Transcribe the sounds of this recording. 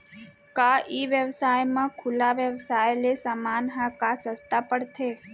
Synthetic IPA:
kaʔiːʋjəʋsaːjmãkʰʊlaʋjəʋsaːjlesamaːnɦãkasə̃st̪apəɽt̪ʰeː

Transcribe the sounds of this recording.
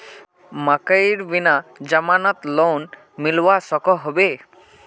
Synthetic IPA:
makaiɾbinad͡ʑamanɔt̪lon | milwasɔkɔɦɔbe

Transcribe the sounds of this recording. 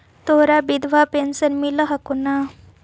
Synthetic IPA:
t̪oɾabid̪ʱʋapensənmiləɦakuna

